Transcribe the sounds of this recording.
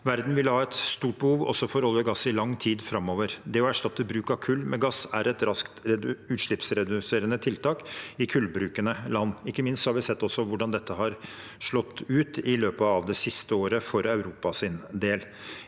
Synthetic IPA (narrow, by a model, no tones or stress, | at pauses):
ʋæɾd̪n̩ʋɪlhɑːɛt̪st̪uːʈ̚bəhuːʋɔ̰sɔfɔɾɔlːəɡɑsːɪlɑŋːt̪ʰiːd̪fɾɑmoːʋəɾd̪ɛɔæʂʈɑt̪ːəbɾʉːkɑkʰʉlːmɛɡɑsæɾɛt̪ɾɑskt̪ɾɛʉːt̪ʂɭɪpsɾɛd̪ʉseːɾənət̪ʰɪlt̪ʰɑːkɪkʰʉlbɾʉːkənəlɑnːɪkːəmɪnst̪sɔhɑɾʋɪsɛt̪ːɔsːɔʋʊɖɑnd̪ɛt̪ːəɦɑɾʂɭɔt̪ːʉːt̪ɪløːpəɑʋd̪ɛsɪst̪əoːɾəfɔɾɑʉɾuːpɑsɪnd̪eːl